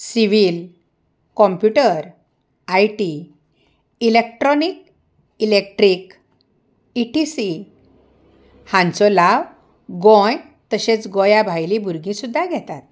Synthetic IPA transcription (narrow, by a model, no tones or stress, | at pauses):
siʋil | kɔmpjuʈəɾ | ajʈi | ilekʈɾɔnik | ilek̚ʈɾik | iʈisi | hãnt͡sɔlaʋ | ɡɔ̃j | t̪əɕet͡sɡɔjabʱajlĩbʱuɾɡĩsud̪ʱːaɡʱɛt̪at̪̚